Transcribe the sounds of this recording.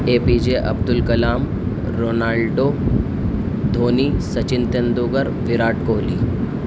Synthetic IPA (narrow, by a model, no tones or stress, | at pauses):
eːpiːd͡ʒeːʔɐ̰bd̪ʊlkɐlaːm | ɾoːnaːlɖoː | d̪ʱoːniːsɐt͡ʃɪnt̪end̪uːɡəɾʋɪɾaːʈkoːliː